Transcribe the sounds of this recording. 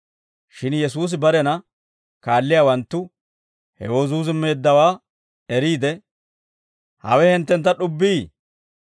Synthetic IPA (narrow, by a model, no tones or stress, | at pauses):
ʃɪnjɛs̬uːs̬ɪbɐɾɛnɐ | kaːlːɪjawɐnt̪ːʊ | hɛ̰woːzuːzɪmːe̞ːd̪ːɐwaː | ɛɾiːd̪ɛ | hɐ̰wɛhɛnt̪ːɛnt̪ːɐɗʊbːiː